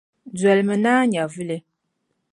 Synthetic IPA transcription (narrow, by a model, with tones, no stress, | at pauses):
d͡za˨lmɨ˨naː˦ɲa˨vɨ˦le˨